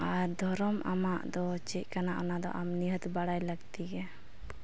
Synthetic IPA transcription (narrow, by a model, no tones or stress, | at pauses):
aɾd̪ʱɔɾɔmʔa̰maʔd̪ɔt͡ʃɛc̚ˀkanaʔanad̪ɔ̰ʔamniɦət̪baɽajləɡt̪iɡɛ